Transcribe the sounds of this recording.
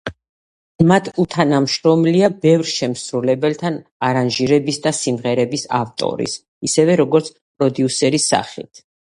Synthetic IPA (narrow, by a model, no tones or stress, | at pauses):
mat̪ʰut̪ʰanamʃɾɔmliabɛvɾʃɛmsɾulɛbɛlt̪ʰanaɾanʒiɾɛbisd̪asimʁɛɾɛbisa̰ft̪ʼɔ̰ɾḭs | isɛvɛɾɔɡɔɾt̪sʰ | pʼɾɔd̪iusɛɾisːa̰χit̪ʰ